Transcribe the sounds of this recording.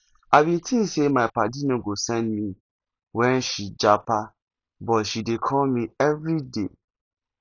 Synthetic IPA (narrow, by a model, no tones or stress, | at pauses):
abitʰĩsemãɪpadinɔ̃ɡosɛ̃ndmĩ | wɛ̃nʃid͡ʒapa | bɔtʃidekʰɔlmĩɛvɾide